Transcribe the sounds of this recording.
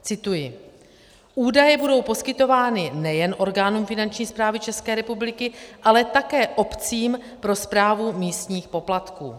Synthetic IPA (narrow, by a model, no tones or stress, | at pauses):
t͡sɪt̪ujɪ | ʔuːdajɛbudo̞wpo̞skɪt̪o̞vaːnɪnɛjɛnʔo̞ɾɡaːnuːmfɪnant͡ʃɲiːspɾaːvɪt͡ʃɛskɛːɾɛpublɪkɪʔalɛt̪akɛːʔo̞pt͡siːm | pɾo̞spɾaːvumiːst̪ɲiːxpo̞plat̪kṵː